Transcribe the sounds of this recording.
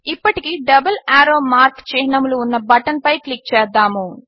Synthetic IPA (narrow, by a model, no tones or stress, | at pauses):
ipːɐʈikiɖɐbɐlaːɾoːmaːɾkt͡ʃɛːnɐmluːnːɐbɐʈɐnpɐjklik̚t͡ʃɛːd̪ːaːmu